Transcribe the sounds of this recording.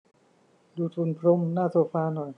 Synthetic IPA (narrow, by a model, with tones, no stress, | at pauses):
duː˧t̪ʰu˧npʰɾo˧˥˨mnaː˥˩soː˧faː˧nɔ˨˩j